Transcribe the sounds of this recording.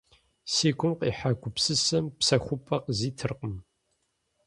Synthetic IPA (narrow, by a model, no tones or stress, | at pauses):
siːkʷʊmqiːħakʷʊpsɨsɐmpsɐxʷʊpʼɐqziːtʰɨrqəm